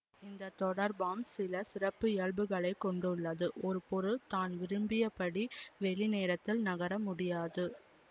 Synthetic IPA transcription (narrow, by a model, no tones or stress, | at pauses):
ɪnd̪ɐt̪ɔɽɐɾbaːmsɪlɐsɪrɐpːɯɪɛɭbɯɣɐɭɐɪkːɔɳɖɯɭːɐðɯʔɔɾɯpɔɾɯt̪aːnʋɪɾɯmbɪjɐpɐɽiʋɛɭineːɾɐt̪ːɪlnɐɣɐɾɐmʊɽɪjaːðɯ